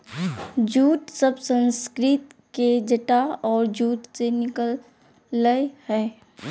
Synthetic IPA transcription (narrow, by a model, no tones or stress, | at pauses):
d͡ʒuːt̪səbsə̃nskɾɪt̪ked͡ʒəʈaɔːɾd͡ʒuːt̪senɪkəlː | əhɛː